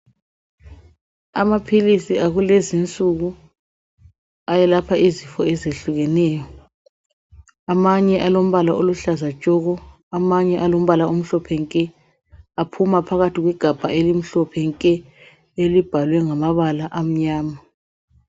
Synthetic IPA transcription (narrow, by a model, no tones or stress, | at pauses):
amapʰilisiaɣulezint͡sʼuɣu | ajɛlapʰaizifɔɛzeɬuɣɛnɛːjɔ | amaɲɛʔalom̩βalaʔoluɬazḁt͡ʃʼɔɣɔ | amaɲɛʔalom̩βalaum̩ɬɔpʰɛŋkʼɛ | apʰumapʰaɣatʰiɣwɛɡ̥ʱab̥ʱaelim̩ɬɔpʰɛŋkʼɛ | elib̥ʱalwɛŋamaβalaʔam̩ɲaːma